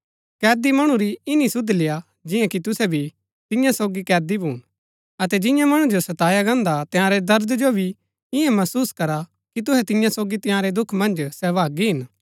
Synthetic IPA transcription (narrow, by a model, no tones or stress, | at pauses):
kɛːd̪imɐɽ̃ũɾiɪnisʊd̪lɪja | d͡ʒɪjãkit̪ʊsɛbʱi | t̪ɪjãsoːɡikɛːd̪ibʱuːñ | ɐt̪ɛd͡ʒɪ̃jãmɐɽ̃ũd͡ʒosɐt̪aːjaɡɐ̃ːnd̪at̪ɪ̃jãːɾɛd̪ɐɾd̪d͡ʒobʱi | ɪɛ̃mɐsuːskɐɾa | kit̪̬ʊɦɛt̪ɪ̃jãsoːɡit̪ɪ̃jãːɾed̪ʊkʰmɐ̃nd͡ʒsɛːʋaːɡiɦɪn